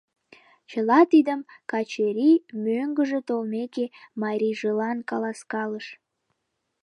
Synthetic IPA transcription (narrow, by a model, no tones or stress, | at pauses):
t͡ɕəlɑt̪id̪əmkɑt͡ɕeɾimøŋɡəʒet̪olmekemɑɾʲiʒəlɑnkɑlɑskɑləʃ